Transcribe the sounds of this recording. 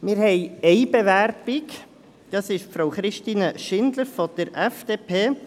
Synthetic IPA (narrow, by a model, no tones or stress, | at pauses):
mɪɾhɛɪɛɪbɛʋærb̥ɪk | d̥ɑsɪʃfɾowχɾɪʃtiːnəʃɪnd̪ləɾfɔd̥̪əɾʔɛfd̥eːpʰeː